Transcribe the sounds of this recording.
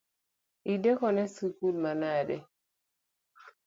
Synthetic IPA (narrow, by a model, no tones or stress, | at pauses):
idekɔnɛsukulmanadɛ